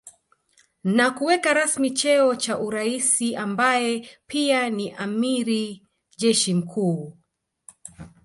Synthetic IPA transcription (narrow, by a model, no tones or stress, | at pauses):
nakuwɛkaɾasmit͡ʃɛɔt͡ʃaʔuɾaisiʔambajɛpianiʔamiɾi | ʄɛʃim̩kʰuː